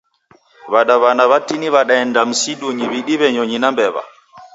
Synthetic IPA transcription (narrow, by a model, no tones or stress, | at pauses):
waɗaβanawatːiniβaɗaɛndamsiɗuɲiwiɗiβɛɲoɲinambɛβa̰